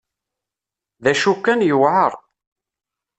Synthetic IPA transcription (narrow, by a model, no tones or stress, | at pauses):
ðæʃukːænjəwʕəɾˤ